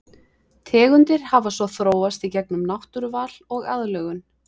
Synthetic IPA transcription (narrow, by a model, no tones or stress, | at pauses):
t̪ʰɛːɣʏnt̪ɪɾ̥havasvɔθɾoːwast̪icɛk̚nʏmnawht̪ʏɾvaːl̥ɔɣaðlœːɣʏn